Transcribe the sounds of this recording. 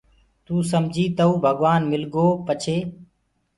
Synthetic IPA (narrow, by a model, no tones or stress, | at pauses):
t̪uːsəmd͡ʒʱiːt̪əuːbʱəɡʋaːnmɪlɡoːpət͡ʃʰeː